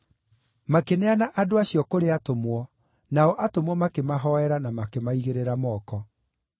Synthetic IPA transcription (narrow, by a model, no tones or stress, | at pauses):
makenɛanaʔadoaɕjɔkoɾeatomwɔ | naɔʔatomwɔmakemaɦɔɛɾanamakemaiɣeɾeɾamɔːkɔ